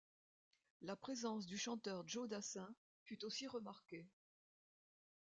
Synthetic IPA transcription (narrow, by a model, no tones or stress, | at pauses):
lapχezɑ̃s̬d̪yʃɑ̃t̪œʁʒod̪asɛ̃ | fyt̪osiʁəmaʁke